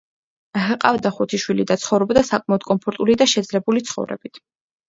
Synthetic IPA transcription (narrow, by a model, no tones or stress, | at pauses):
ɦɛqʼavd̪aχut̪ʰiʃwilid̪at̪sʰχɔvɾɔbd̪asakʼmaɔd̪̥kʼɔnpʰɔɾt̪ʼulid̪aʃɛd̪zlɛbulit̪sʰχɔ̰vɾɛ̰bit̪ʰ